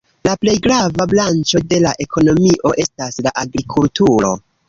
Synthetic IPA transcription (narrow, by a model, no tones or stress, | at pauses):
laple̞jɡɾavablant͡ʃo̞de̞laʔe̞kʰo̞no̞miʔo̞ʔe̞staslaʔaɡɾikʰultuɾo̞̰